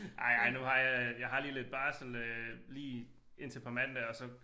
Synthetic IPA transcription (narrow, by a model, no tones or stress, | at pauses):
ʔɑ̈ɪɑ̈ɪnuhɑ̈jɑjɑ̈ɪɦɑ̈liːle̝d̥̚b̥ɑ̈ːsl̩øliː | e̝n̰t͡sʰe̝pʰɑmæn̰d̥æɐɒ̽sɒ̽